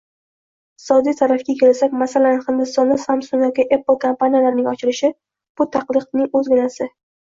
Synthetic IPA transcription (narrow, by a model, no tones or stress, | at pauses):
ɪ | ɪɪ̥sɒd̪ijt̪ʰaɾafkʲakʲʰe̞lasakʲmasalanɪχɪnd̪ɪst̪ɒnːɪsamsʊŋjɒkʲɪʔepːɨlˠkʰompanijalaɾnɪŋɒt͡ʃʰɪɾɪʃɪ | b̥ʊt̪ʰaqlˠɨqnɪŋɵzɡʲɪnasɪ